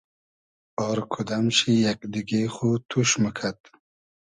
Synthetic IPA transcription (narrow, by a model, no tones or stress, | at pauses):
ɔɾkʰud̪amʃijakd̪iɡeχut̪ʰuʃməkʰat̪